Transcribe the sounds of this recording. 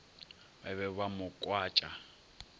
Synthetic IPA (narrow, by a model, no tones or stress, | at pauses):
baβɛβamʊkʼwaːt͡ʃʼa